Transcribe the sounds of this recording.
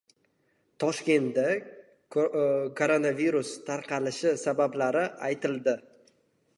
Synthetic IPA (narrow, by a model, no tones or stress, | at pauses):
t̪ʰɒʃkʲe̞nt̪d̪a | kʰoɾonaviɾust̪ʰaɾqʰɑlɪʃɪsabablaɾɪʔajt̪ʰɪld̪ɪ